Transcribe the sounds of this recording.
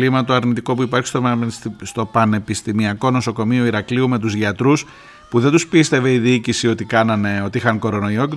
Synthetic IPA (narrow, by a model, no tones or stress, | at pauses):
limɐt̪o̞ɐɾnit̪iko̞puipɐɾçi̥st̪ost̪o̞pɐne̞pist̪imiɐko̞no̞so̞ko̞mio̞iɾɐkliume̞t̪̬uzʝɐt̪ɾus | puðet̪uspist̪e̞ve̞iðiicisio̞t̪ikɐnɐneo̞t̪iixɐŋko̞ɾo̞no̞ioc